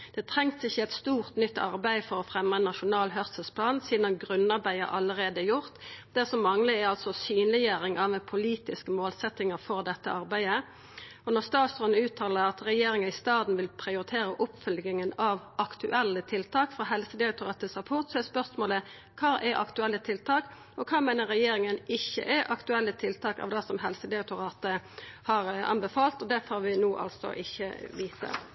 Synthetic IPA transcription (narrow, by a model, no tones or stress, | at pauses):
d̪̥ɛt̪ʰʁɛŋt̪ɪçːəɛt̪st̪uːʁt̪nʏt̪ːɑ̰ʁbæɪfɔʁɔfʁɛmːəɛnːɑʃʊnɑːlɦœʁsəspʰlɑːnsiːd̪ɑnɡʁʉnːɑʁbæɪə̰ʁʔɑlːəʁeːd̪əæjʊʁt̪d̪ɛsɔmːɑŋləæɑlsɔsyːnlɪjøːɾɪŋʔɑʋɛpʰʊliːt̪ɪskəmoːlsɛt̪ːɪŋəfɔʁd̪ɛt̪ːə̰ʔɑɾbæɪə | ɔnɔʁst̪ɑːt̪sʁœnəʉːt̪ʰɑːləʁɑt̪ʁɛjeːɾɪŋənɪst̪ɑːd̪n̩ʋɪlpʰʁɪʊɾɪt̪ʰeːɾəʔʊpfʏlɡɪŋənɑʋʔɑkt̪ʉʔɛlːət̪ʰɪlt̪ʰɑːkfɾɑːɦɛlsəd̪ɪɑk̚t̪ʊʁɑːt̪əsʁɑpʰʊʁt̪sɔɛspœʁsmoːlə | kʰɑːʔɛʔɑ̰kt̪ʉɛlːət̪ʰɪlt̪ʰɑːk | ɔkʰɑːmæɪnəʁɾɛjeːɾɪŋənɪçːə̰ʔæʔɑkt̪ʉɛlːət̪ʰɪlt̪ʰɑːkɑ̰ʋd̪ɑsɔmɦɛlsəd̪ɛʊk̚t̪ʊɾɑːt̪əhɑːɾɑ̰nbəfɑːlt̪ɔd̪ɛfoɾʋɪnuːʔɑ̰lsɔ̰ʔɪçːə̰ʋiːt̪ə̰